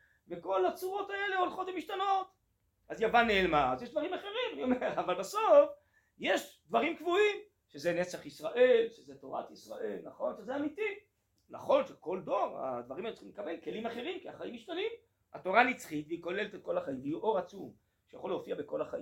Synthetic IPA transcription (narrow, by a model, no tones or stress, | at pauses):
veko̞lat͡suʁo̞t̪ae̞le̞olχot̪vemiʃt̪ano̞t̪ | azjavaneelmaazjeʃd̪vaʁimaχe̞ʁimanio̞meʁavalbaso̞f | je̞ʃd̪vaʁimkvuim | ʃezenet͡saχisʁaʔe̞lʃezeto̞ʁa̰t̪isʁa̰ʔe̞lnaχo̞nʃezeamiti | na̰χo̞nʃeko̞ldo̞ʁa̰d̪vaʁimaelut͡si̥χimlekabe̞lke̞limaχe̞ʁimkiaχaimːiʃt̪anim | a̰to̞ʁanit͡sχit̪veiko̞lelet̪et̪̚ko̞laχaimlijuʔo̞ʁat͡sum | ʃejaχo̞leofiabeko̞laχaʔim